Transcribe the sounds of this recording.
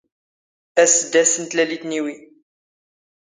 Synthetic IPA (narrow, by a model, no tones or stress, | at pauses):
æsəd̪æsənt̪lælit̪niwi